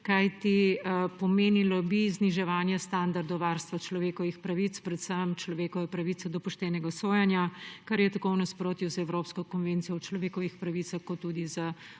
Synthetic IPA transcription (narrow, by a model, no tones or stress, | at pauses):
kajt̪ipɔmeːnilɔbizniʒɛʋaːnjɛst̪and̪aɾd̪ɔwʋaɾst̪ʋat͡ʃlɔʋeːkɔʋixpɾɐʋit̪spɾɛt̪səmt͡ʃlɔʋeːkɔʋɛpɾɐʋit̪sɛd̪ɔpuʃt̪ɛːnɛɡasoːjɛnjakɐɾjɛt̪ɐkownɐspɾoːt̪juzɛwɾoːpskɔkɔnʋeːnt̪sijɔwt͡ʃlɔʋeːkɔʋixpɾɐʋit̪saxkɔt̪ːuːd̪iza